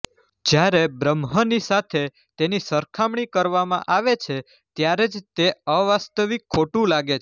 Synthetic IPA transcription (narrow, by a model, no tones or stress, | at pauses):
d͡ʒjaɾebɾəmɦənisat̪ʰe | t̪enisəɾkʰamɳ̃ikəɾʋamã̰ʔaʋet͡ʃʰe | t̪jaɾed͡ʒt̪eəʋast̪əʋikʰːoʈũlaɡet͡ʃʰ